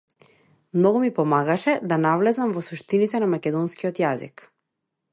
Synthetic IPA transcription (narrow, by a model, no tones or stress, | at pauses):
mnɔɡumipɔmaɡaʃɛd̪anavlɛzamvɔsuʃt̪init̪ɛnamakʲɛd̪ɔnskiɔt̪jazḭk